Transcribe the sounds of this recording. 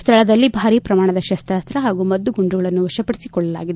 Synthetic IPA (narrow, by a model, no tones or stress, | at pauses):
st̪ʰɐɭɐd̪ɐlːibʱaːɾiːpɾɐmaːɳɐd̪ɐʃɐst̪ɾaːst̪ɾɐɦaːɡumɐd̪ːuɡuɳɖuɡɐɭɐnːuʋɐʃɐpɐɽisikɔɭːɐla̰ːɡid̪e